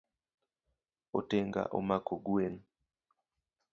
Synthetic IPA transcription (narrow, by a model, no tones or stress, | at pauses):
oteŋɡa̰ʔo̰makoɡwen